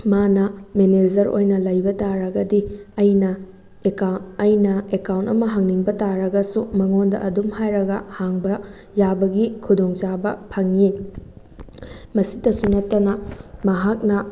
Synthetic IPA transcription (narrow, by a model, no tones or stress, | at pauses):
manɐmened͡ʒɐɾo̰jnɐlɐjbɐtaɾɐɡɐdiɐjnɐ | jnɐekawntɐmɐɦɐŋniŋbɐtaɾɐɡɐsumɐŋondɐ̰ɐdumhajɾɐɡɐ̰haŋbɐ | jabɐɡikʰudoŋt͡ʃabɐpʰɐŋːi | mɐsidɐsunɐtːɐnɐmɐɦak̚nɐ